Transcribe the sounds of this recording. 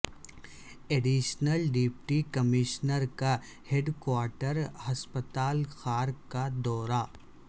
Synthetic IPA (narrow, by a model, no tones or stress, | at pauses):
eɖiːʃnəlɖipʈikɐmɪʃnəɾka | heɖkwaːɾʈəɾhɐspət̪aːlxaːɾkad̪ɔːɾa